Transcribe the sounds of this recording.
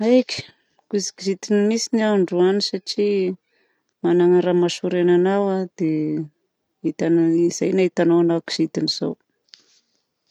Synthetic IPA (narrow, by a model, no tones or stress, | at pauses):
ajki̥ | kusi̥kizit̪inimisiniaaɳɖ͡ʐuanisaʈ͡ʂi | manaŋaɾamaʃuɾenanawad̪̥e | it̪aniz̥ajnait̪anowanaki̥z̥it̪iniz̥o̰w